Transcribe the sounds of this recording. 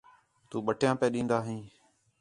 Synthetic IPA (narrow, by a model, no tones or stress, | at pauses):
t̪uːɓəʈʰjãːpẽːɗĩːnd̪aːɦĩː